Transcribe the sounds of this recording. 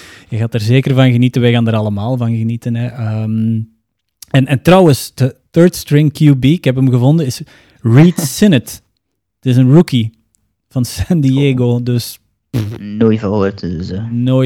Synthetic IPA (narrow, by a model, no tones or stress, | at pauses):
jəɣaːtaːrzeːkərvɑnɣənitənʋɛjɣaːndəɾɑlˠəmaːlˠvɑnɣənitənɛʔəm | ɛnɛntrɑwənsd̥əθɜɹtstɹɪŋkjubiːkɦɛpəmɣəvɔndənɪs | ɹiːtsɪnət | tɪsənruki | v̥ɑnsɛndieːɡoːdɵs | noːjvɑɦoːrtəzənoː